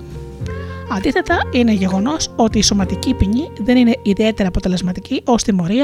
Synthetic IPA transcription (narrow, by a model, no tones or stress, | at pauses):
ɐnd̪iθe̞t̪ɐine̞ʝe̞ɣo̞no̞so̞t̪iːso̞mɐt̪icipiɲiðe̞nine̞iðie̞t̪e̞ɾɐːpo̞t̪e̞le̞zmɐt̪iciʔo̞st̪imo̞ɾiɐ